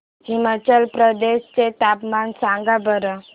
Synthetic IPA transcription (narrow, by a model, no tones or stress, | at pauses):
ɦimat͡ɕalpɾəd̪eɕt͡set̪apmansãŋɡabəɾə